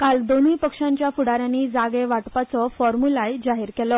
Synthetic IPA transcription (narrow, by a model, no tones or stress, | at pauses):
kald̪oniːpəkʂaɲt͡ɕjafuɽaɾjãnːiːd͡zaɡeʋaʈpat͡sɔfɔɾmulajd͡ʑaɦiːɾkɛlɔ